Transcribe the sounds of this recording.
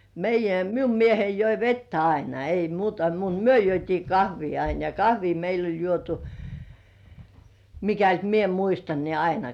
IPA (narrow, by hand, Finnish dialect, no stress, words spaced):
meijːæ miu miehei joi ʋetːæ ɑinɑ ei muːtɑ mut myø juotʲiː kɑhʋiː ɑin jɑ kɑhʋiː meil olʲ juotu mikælt mie muistɑn niː ɑinɑ